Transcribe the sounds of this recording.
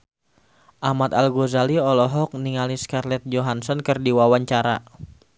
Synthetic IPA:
ʔamat̪alɡozaliɔlɔɦɔk̚niŋaliskarlɛt̪̚d͡ʒoɦansɔnkɨrdiwawaɲt͡ʃaɾa̰

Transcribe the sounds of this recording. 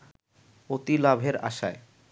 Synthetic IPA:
ot̪ilabʱeɾa̰ʃae

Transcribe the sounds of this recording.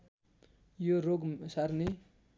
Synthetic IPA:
joɾoɡsaɾni

